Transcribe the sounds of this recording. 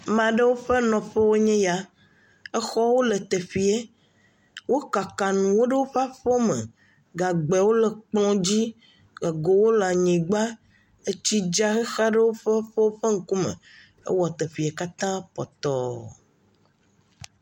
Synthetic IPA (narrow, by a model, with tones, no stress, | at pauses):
mã˨ɖe˦wo˦ɸe˦nɔ̃˨ɸe˦wo˦ɲẽ˦ja˦ | e˦xɔ˦wo˦le˨t̪e˨fi˨e˦ | wo˦ka˨ka˨nũ˨wo˦ɖe˦wo˦ɸa˦ɸo˦mḛ˨ | ɡa˨ɡ͡bɛ˨wo˦le˨k͡plɔ̃˦d͡ʑi˦ | ɡa˨ɡo˨wo˦la˨ɲẽ˨ɡ͡ba˦ | e˦t͡ɕi˦d͡ʒa˦xe˦xa˦ɖe˦wo˦ɸe˦ɸe˦wo˦ɸe˦ŋ̩˨ku˦mḛ̃˨ | ḛ˦wɔ˨t̪e˨fi˨e˨ka˦t̪ã˦pɔ̰˨t̪ɔ˨